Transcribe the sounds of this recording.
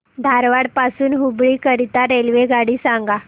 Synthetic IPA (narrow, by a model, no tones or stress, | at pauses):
d̪ʱaɾʋaɽpasuːnɦubɭiːkəɾit̪aɾelʋeɡaɽiːsãŋɡa